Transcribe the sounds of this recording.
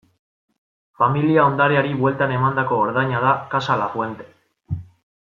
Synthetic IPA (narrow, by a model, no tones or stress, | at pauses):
familiao̞nd̪aɾeaɾiβwe̞lt̪ane̞mand̪ako̞ːɾðajɲað̞akasalafwe̞nt̪e̞